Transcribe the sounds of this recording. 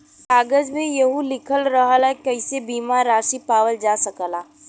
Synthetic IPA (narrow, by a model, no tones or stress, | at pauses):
kaːɡəd͡ʒmẽjɐɦũlɪkʰəlɾəɦəlɛkəɪsebiːmaɾaːʃipaːʋəld͡ʒaːsəkəlaː